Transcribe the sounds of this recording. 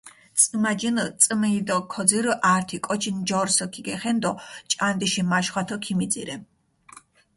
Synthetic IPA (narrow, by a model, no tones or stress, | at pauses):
t̪t͡sʼɨmad͡ʒint͡sʼmɛid̪ɔkʰɔziɾʔaɾt̪ʰikʼɔt͡ʃʰind͡ʒɔɾsɔkʰiɡɛχɛnd̪ɔt͡ʃʼand̪iʃimaʃχwat̪ʰɔkʰimid̪ziɾɛ